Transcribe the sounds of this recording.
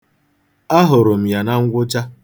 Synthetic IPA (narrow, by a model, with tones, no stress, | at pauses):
a˦ɦʊ˨ɾʊ˨m̩˨ja˨na˦ŋ̩˦ɡʷʊ˦d͡ʒa˦